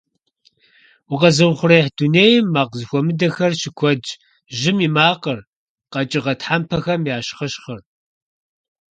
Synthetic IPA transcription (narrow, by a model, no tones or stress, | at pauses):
wʊqɐzɨwχʷʊreħduneːjɪmːaːqzɨxʷɔmɨdɐxɐrʃɪkʷʰɔd͡ʒ | ʒɪmimaːqər | qɐt͡ʃʼɪʁɐtħampʰɐxɐmjaːɕχɐʃχɐr